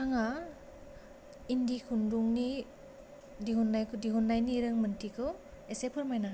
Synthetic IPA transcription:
aŋa | indikʰunduŋni | diɦunːajkʰdiɦunːajniɾɯŋmɯntikʰɯw | esepʰɯɾmajna

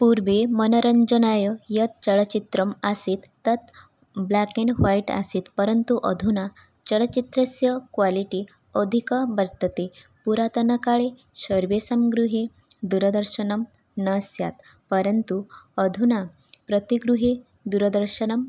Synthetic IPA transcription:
puɾʋemənəɾəɲd͡ʑənajəjət̪̚t͡ɕəɭət͡ɕit̪ɾəmasit̪ːət̪ | blakeɳʋaiʈa̰siːt̪pəɾənt̪uʔəd̪ʱuna | t͡ɕəɭət͡ɕit̪ɾəsjəkʋaliʈi | əd̪ʱikəbəɾt̪ət̪epuɾat̪ənəkaɭe | ɕəɾʋesamɡɾuɦe | d̪uɾəd̪əɾɕənəm | nəsja̰t̪ | pəɾənt̪uəd̪ʱunapɾət̪iɡɾuɦe | d̪uɾəd̪əɾɕənəm

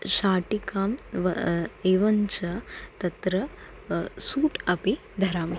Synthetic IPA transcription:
ɕaːʈikaːmʋɐeːʋɐɲt͡ʃɐt̪ɐt̪ɾɐ | suːʈɐpe | d̪ʱɐɾaːm

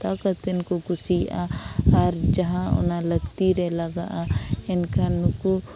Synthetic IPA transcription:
t̪aːkət̪ɪnkoɡʊsiaɐɾd͡ʒɐɦãʊ̰nalɐɡt̪iɾɛlaɡaʔaɪnkanʊku

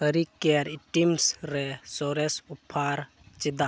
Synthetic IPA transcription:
ɦəɾikeɾiʈimsɾɛsɔɾesupʰːaɾ | t͡ʃid̪a

